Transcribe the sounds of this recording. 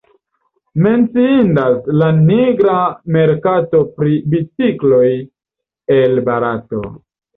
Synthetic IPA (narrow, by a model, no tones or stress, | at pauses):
me̞nt͡siindaslaniɡɾame̞ɾkato̞pɾibit͡siklo̞j | e̞lbaɾato̞̰